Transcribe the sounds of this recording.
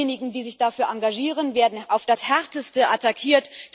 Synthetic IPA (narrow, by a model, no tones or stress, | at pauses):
eːnɪɡŋ̩diːzɪçd̥afyːɐʔaŋɡaʒiːʁ̞ənveːɐdn̩ʔaʊfd̥ashɛɐtəstəʔatakʰiːɐtd̥